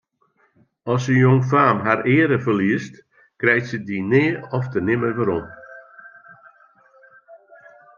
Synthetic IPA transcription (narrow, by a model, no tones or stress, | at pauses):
ɔsəjoŋfaːmɦaɾɪːɾəfərliəst | krɛjtsədinɪəɔftənɪməʋəɾɔm